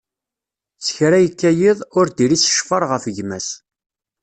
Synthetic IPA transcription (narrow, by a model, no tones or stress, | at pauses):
t͡sːə̥çɾæjəkːæjiðˤʊɾd̪iɾisə̥ʃfɑɾˤʁəfəʝmæs